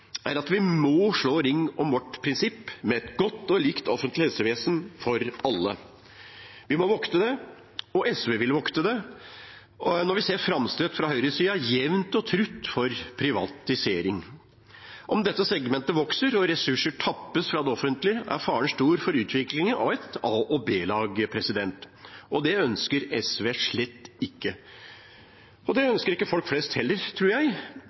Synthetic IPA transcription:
æɾɑt̪ʋɪmɔːʂɭoːɾɪŋːɔmʋɔʈpʰɾɪnsɪpːmɛɛt̪ɡɔt̪ːɔliːkt̪ʰɔfənt̪lɪhɛlsəʋeːsənfɔɾɑlːə̰ | ʋɪmɔʋɔkt̪əd̪ɛ | ɔʔɛsʋeːʋɪlʋɔkt̪əd̪ɛ | nɔɾʋɪseːɾfɾɑmst̪øt̪fɾɑhœʏɾəsiːɑjɛʋnt̪ɔt̪ʰɾʉt̪ːfɔɾpʰɾɪʋɑ̰t̪ɪseːɾɪŋ | ʔɔmd̪ɛt̪ːəsɛɡmɛnt̪əʋɔksəɾɔɾɛsʉʂəʈʰɑpːəsfɾɑd̪ɛɔfənt̪lɪəʔæ̰ɾfɑːəɳʂtuːɾfɔɾʉːt̪ʰʋɪklɪŋənɑ̰ʋɛt̪ɑːʔɔbeːlɑːɡəpʰɾɛsɪd̪ɛnt̪ | ɔd̪ɛœnskəɾɛsʋeːʂɭɛt̪ːɪkːə | ɔd̪ɛœnskəɾɪkːəfɔlkflɛst̪hɛlːəɾt̪ʰɾuːɾjæɪ

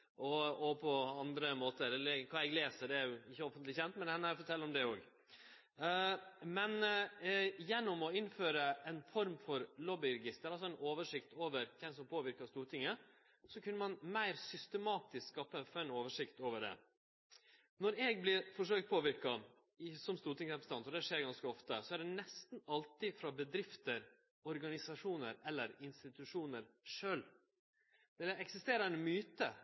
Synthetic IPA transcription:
ʔɔɔpʰɔɑnd̪ɾəmoːt̪əɾɛlːəɾkʰɑːɛɡleːsəɖ̪ɛæɾjʊɪçːəɔfənt̪lɪçɛnt̪mɛnhɛnːæɾfɔʈʰɛlːɾɔmd̪ɛoːɡ | mɛn | jɛnːɔmɔɪnːføːɾəɛnfɔɾmfɔɾlɔbɪɾɛɡɪst̪əɾɑlsɔɛnoːʋəʂɪkt̪oːʋəɾkʰɛnsɔmpʰoːʋɪɾkɑʂt̪uːɾt̪ɪŋːə | sɔkʰʉnːəmɑnmæɪɾsʏst̪əmɑːt̪ɪskskɑːpːəɛfɛnoːʋəʂɪkt̪oːʋəɖɛ̰ | nɔɾɛːɡ̚blɪɾfɔʂ̬øːk̚t̪̚pʰoːʋɪɾkɑ | ɪsɔmst̪uːɾʈ̪ɪŋsɾɛpɾəs̩n̩ʰɑnt̪ɔd̪ɛʂeːɾɡɑnskəɔft̪əsɔæɖɛnɛst̪nɑlt̪ɪfɾɑbəd̪ɾɪft̪əɾ | ɔɾɡɑnɪsɑʂuːnəɾɛlːəɾɪnst̪ɪt̪ʉʂuːnəɾʂøːl | d̪ɛɛɛksɪst̪eːɾənəmyːt̪ə

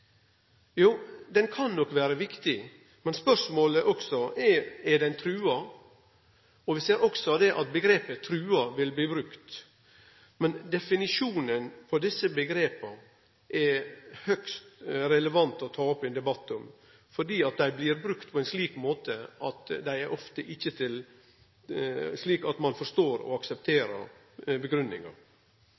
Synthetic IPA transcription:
juːd̪ɛnkʰɑnːɔkʋæːɾəʋɪkt̪ɪ | mɛnspœʂmoːləʔɔksɔɛɛɖɛnt̪ʰɾʉːɑ | ɔʋɪseːɾɔksɔd̪ɛʔɑt̪̚bəɡɾeːpət̪ʰɾʉːɑʋɪlbliːbɾʉkt̪ | mɛnd̪ɛfɪnɪʂuːnənpʰɔd̪ɪsːəbəɡɾeːpɑ | ʔɛɾhœkst̪ɾɛləʋɑnt̪ɔt̪ʰɑːɔpːɛnd̪ɛbɑt̪ːɔm | fɔɖiːɑt̪̚d̪æɪblɪɾbɾʉkt̪̚pʰɔɛnsliːkmoːt̪əɑt̪d̪æɪɛɾʔɔft̪əʔɪçːət̪ʰɪl | sliːkɑt̪mɑnfɔʂt̪oːɾɔ̰ɑksɛp̚t̪ʰeːɾə̰ɾ | bəɡɾʉnːɪ̰ŋɑ̰

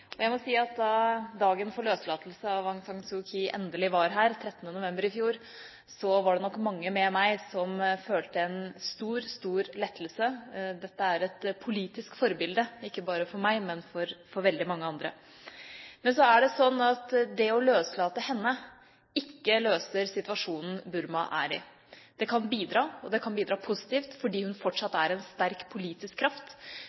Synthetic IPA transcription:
ɔjæɪmɔsiːɑt̪̚d̪ɑd̪ɑːɡənfɔɾɭøːslɑːt̪əl̩səɑʋɑŋsɑŋsʊkʰiʔɛ̰nd̪əlɪʋɑɾɦæːɾt̪ʰɾɛt̪ːənənʊʋɛmbəɾɪfjuːɾ | sɔʋɑɖɛnɔkːmɑŋːəmɛmæɪsɔmføːlt̪əɛnst̪uːɾst̪uːɾlɛt̪ʰːəlsəd̪ɛt̪ːəæɾɛt̪pʰʊliːt̪ɪskfɔɾbɪld̪əɪkːəbɑːɾəfɔɾmæɪmɛnfɔɾfɔɾʋɛld̪ɪmɑŋːəɑnd̪ɾə̰ | mɛnsɔæɖɛsɔnːɑt̪d̪ɛɔløːslɑːt̪əhɛnːə | ɪkːəløːsəɾsɪt̪ʋɑʂuːnn̩bʉɾmɑ̰ʔæ̰ɾɪ̰ | d̪̥ɛkʰɑnbiːd̪ɾɑːɔd̪ɛkʰɑnbiːd̪ɾɑːpʰʊsɪ̥t̪iːft̪fɔɖiːhʉnfɔʈʂɑt̪ːæɾɛnst̪æɾkpʰʊliːt̪ɪskʰːɾɑft̪

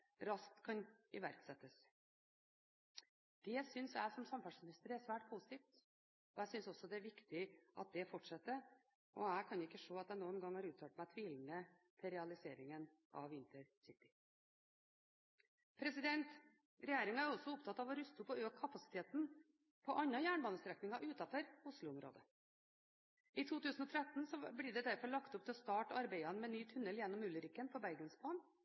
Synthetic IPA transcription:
ɾɑsk̚t̪kʰɑnɪʋæɾksɛt̪ːəs | d̪̥ɛsʏnsæ̰ɪsɔmsɑmfɑʂmɪnɪst̪əɾæʂʋæːʈ̚pʰuːsɪt̪ʰiːft̪ | ɔæɪsʏnsɔsːɔd̪ɛæɾʋɪkt̪ɪʔɑ̰t̪̚d̪ɛfɔʈʂɛt̪ːə | ʔɔæɪkʰɑnjʊɪkːəʂoːɑt̪d̪æɪnuːənɡɑŋːhɑːɾʉːt̪ʰɑːlt̪mæɪt̪ʰʋiːlnə | t̪ʰɪɾɛɑlɪseːɾɪŋən | ʔɑ̰ʋɪnt̪əɾsɪt̪ːɪ | pʰɾɛsɪd̪ɛnt̪ | ɾɛjeːɾɪŋæɾɔsɔʊpt̪ʰɑt̪ːɑːʋɔɾʉst̪ʊpːɔøːkʰːɑpɑsɪ̥t̪ʰeːt̪n̩ | pʰɔʔɑɲɑjæːɳbɑːnəst̪ɾɛknɪŋɑʔʉːt̪ɑfɔɾʊslʊʊmɾo̰ːd̪ə | iːt̪ʰuːt̪ʉːsn̩ɔt̪ʰɾæt̪n̩sɔblɪɖ̪ɛd̪æɾfɔɭɑkt̪ʊp̚t̪ʰɪlɔst̪ɑːʈɑɾbæɪɑnmɛnyːt̪ʰʉnːəljɛnːɔmʉlːəɾɪkːənpʰɔbæɾɡənsbɑːn

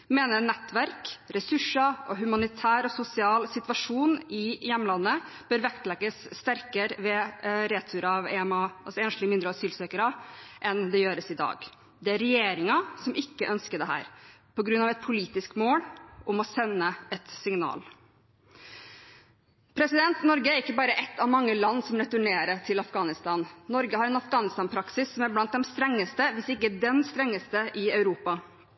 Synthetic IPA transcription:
meːnənɛt̪ːʋæɾkɾɛsʉʂːɑɔɦʉmɑnɪt̪ʰæːɾɔsʊsɪɑːlsɪt̪ʋɑʂuːnɪjɛmːəlɑnːə | b̥øːɾʋɛkt̪lɛɡəsːt̪æɾkəɾʋɛɾeːt̪ʰʉːɾɑʋɛmɑsɔɛːnʂlɪmɪnd̪ɾəɑsyːlsøːkəɾɑʔɛnd̪ɛjøːɾəsɪd̪ɑ̰ːɡ | d̪ɛæɾɛjeːɾɪŋɑsɔmʔɪkːəʔœnskəd̪ɛɦæ̰ːɾpʰɔɡɾʉnːɑʋɛt̪̚pʰʊliːt̪ɪskmoːlʔʊmɔsɛnːəɛt̪sɪŋnɑ̰ːl | pʰɾɛsɪd̪ɛnt̪nɔɾɡəæɾɪkːəbɑːɾəʔɛt̪ːɑʋmɑŋːəlɑnːsɔmɾɛt̪ʉɳeːɾəʈʰɪlɑfɡɑːnɪst̪ɑːnːɔɾɡəhɑɾɛnɑfɡɑːnɪst̪ɑːnpʰɾɑksɪsːɔmæɾblɑnt̪̚d̪ɛmst̪ɾɛŋːəst̪əʋɪsɪkːəd̪ɛnst̪ɾɛŋːəst̪əʔɪɑʉɾuːpɑ

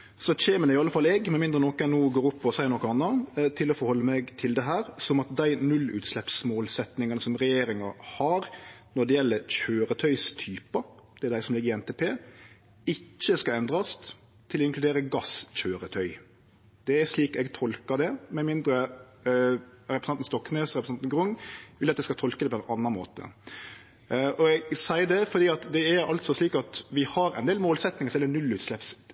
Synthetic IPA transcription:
sɔc͡çeːmənæɾɪɑləfɑlːɛɡmɛnmɪnd̪ɾənɔkɛnoːɡoːɾʊpʰːɔɔsæɪɾnɔkːɔɑnːɑt̪ʰɪlːɔfɔɾhɔlːəmɛɡt̪ʰɪld̪ɛɦæːɾsɔmɑt̪̚d̪æɪnʉlːʉ̰ːt̪slɛpsmoːlsɛt̪nɪŋɑnəsɔmɾɛjeːɾɪŋɑhɑɾnɔd̪ɛjɛlːəɾc͡çøːɾət̪ʰœʏst̪ʰyːpɑd̪̥ɛæd̪æɪsɔmlɪɡəɾɪɛnt̪ʰeːpʰeː | ɪt͡ʃːəskɑɛnd̪ɾɑst̪ | t̪ʰɪlɔɪŋklʉd̪eːɾəɡɑsc͡çøːɾət̪ʰœʏ | d̪̥ɛæʂliːkɛɡt̪ʰɔlkəɾd̪ɛmɛmɪnd̪ɾə | ɾɛpɾsɑnn̩st̪ɔkːneːsɾɛpɾəsɑnt̪n̩ɡɾʊŋːʋɪlɑt̪d̪ɛɪskɑt̪ʰɔlkəd̪ɛpɔɛnɑnːɑnmoːt̪ə̰ | ʔɔɛɡsæɪd̪ɛfɔd̪iːɑt̪d̪ɛæɾɑ̰lt̪sɔsliːkɑt̪ʋɪhɑɾɛ̰ɪnd̪eːlmoːlsɛt̪nɪŋəsɔjɛlənʉlʉːt̪slɛps

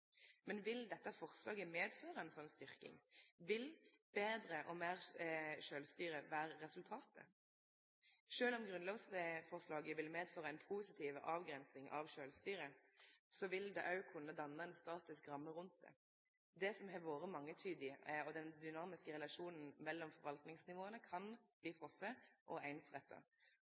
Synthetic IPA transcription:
mɛnʋɪld̪ɛt̪ːəfɔʁslɑːɡəmeːd̪føːʁəɛnsɔnːst̪ʏʁkɪ̰ŋʋɪlb̥eːd̪ɾəʔɔmeːʁʃøːlst̪yːɾəʋæːɾəːɛsʉlt̪ʰɑːt̪ə̰ | ʃøːlɔmɡʁʉnlɑːɡsəfɔʁslɑːɡəʋɪlmeːd̪føːʁəɛnpʰuːsɪt̪ʰiːʋəʔɑːʋɡɾɛnsnɪŋʔɑ̰ʋʃøːlst̪yːɾəsɔʋɪld̪ɛ̰ːʔɑʉkʰʊnːəd̪ɑnːəɛnst̪ɑːt̪ɪskɾɑmːəʁʉnt̪̚d̪ɛ̰ | d̪ɛsɔmɦɛʋoːɾəmɑŋːət̪ʰyːd̪ɪɔd̪ɛnd̪ʏnɑːmɪskəʁɛlɑʂuːnn̩mɛlːɔmfɔɾʋɑlt̪nɪŋsnɪʋoːənəkʰɑnb̥liːfʁɔsːəʔɔæɪnəsʁɛt̪ʰːɑ̰

